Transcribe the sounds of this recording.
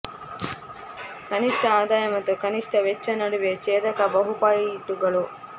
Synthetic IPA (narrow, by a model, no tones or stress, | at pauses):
kɐniʂʈʰɐaːd̪aːjɐmɐt̪ːukɐniʂʈʰɐʋet͡ʃːɐnɐɽuʋet͡ʃeːt̪ɐkɐbɐɦupaːjiːʈːuɡɐɭu